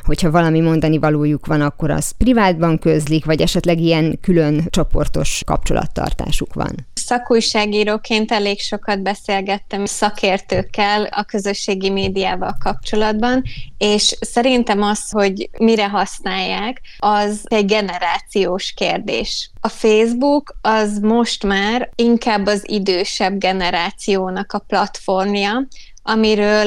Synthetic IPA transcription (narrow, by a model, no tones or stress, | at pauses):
ho̞chɒvɒlɒmimo̞nd̪ɒnivɒloːjukʋɒnɒkːo̞ɾɒ̰zprivaːd̪bɒŋkøzlikvɒɟɛʃɛt̪lɛɡiɛnkylønt͡ʃo̞po̞̰rt̪o̞ʃkɒ̰p̚t͡ʃo̞̰lɒ̰t̪ːɒ̰rt̪a̰ːʃukʋɒ̰nsɒkuːjʃaːɡiːɾoːkeːnt̪ɛleːkʃo̞kɒd̪̚bɛseːlɡɛt̪ːɛmsɒkʰeːrt̪øːkːɛlɒ̰kø̞zøʃːeːɡimeːd̪ijaːvɒlkɒp̚t͡ʃo̞lɒd̪bɒneːʃsɛɾint̪ɛmɒsho̞ɟmiɾɛɦɒsnaːjːaːkɒzɛɟɡɛnɛɾaːt̪sijoːʃkeːrd̪ḛːʃɒfeːzbukɒzmo̞ʃt̪maːriŋkaːbːɒzḭd̪øːʃɛbɡɛnɛɾaːt̪sijoːnɒkɒplɒt̪fo̞rmjɒ | ʔɒmiɾøːl